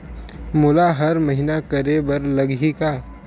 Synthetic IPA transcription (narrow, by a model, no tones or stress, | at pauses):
mʊlaɦɐɾmɐɦinakɐɾebɐɾlɐɡika